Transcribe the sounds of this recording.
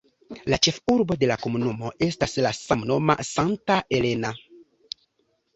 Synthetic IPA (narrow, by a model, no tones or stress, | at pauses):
lat͡ʃe̞fuɾbo̞de̞lako̞munumo̞ʔe̞staslasamno̞ma̰santae̞le̞na